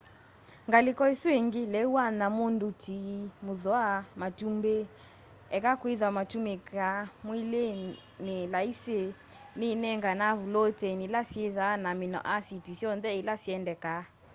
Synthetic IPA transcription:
ŋɡalikɔisweŋɡilɛuanamondutimuðɔamatumbe | ɛkakwiðamatumekamwile | nelaisenenɛŋɡanaβulotenilasieðanaminɔ̰ʔasitisjɔnðɛilasiɛndɛka

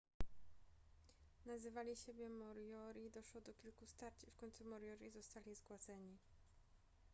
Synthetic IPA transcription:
nazɘvalʲiɕebʲjɛmɔɾjɔɾʲiːd̪ɔʂwɔd̪ɔkʲilkust̪aɾt͡ɕifkɔɲt̪sumɔɾjɔɾʲizɔst̪alʲizɡwad̪zɛɲi

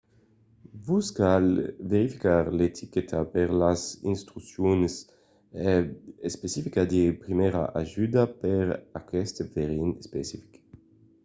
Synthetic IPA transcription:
vuskalveɾifikaɾlet̪ʰiket̪ʰapeʁlasḭnst̪ɾusjons | espesifikad̪epɾimeɾa̰ʔaʒyd̪apeɾakɛst̪eveʁinspesifi̥k

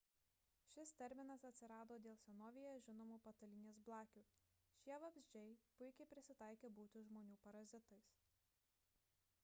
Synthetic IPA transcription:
ʃʲɪst̪ʲɛɾʲmʲɪnɐsɐt̪ʲsʲɪɾɑːd̪oːd̪ʲeːlˠsʲɛnoːʋʲijoʒʲɪnoːmuːpɐt̪ɐlʲɪnʲeːsblˠɑːkʲuː | ʃʲiɛʋɐbʲzʲd͡ʒʲɛɪpʊɪkʲɛɪpʲɾʲɪsʲɪt̪ɑɪkʲeːbuːt̪ʲɪʒmoːnʲuːpɐɾɐzʲɪt̪ɐɪs

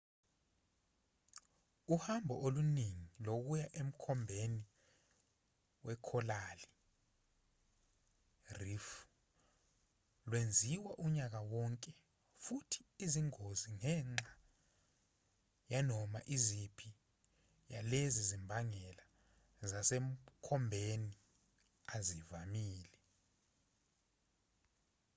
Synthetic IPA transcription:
uhambʱɔʔoluniŋilok̬ujaʔem̩kʰɔmbʱeni | wɛkʰɔlali | rif | lwend͡zʱiwaʔuɲak̬awɔŋkʼɛ | futʰi̥iziŋoziŋɛːŋ͡ǁa | janɔmaʔizipʰi | jalezizimbʱaŋɛla | zasɛm̩kʰɔmbʱeni | azivamiːlɛ

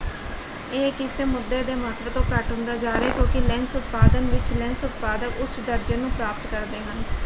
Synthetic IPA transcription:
eːkɪseːmʊd̪ːeːd̪eːmaːt̪ʰʋet̪õːkəʈɦʊ̃nd̪aːd͡ʒaːɾeːk̪õːkɪlɛnsʊt̪paːd̪ənʋɪt͡ʃlɛ̃nsʊt̪̚paːd̪əkʊt͡ʃʰd̪əɾd͡ʒə̃ːnũːpɾaːpət̪kəɾd̪eːɦən

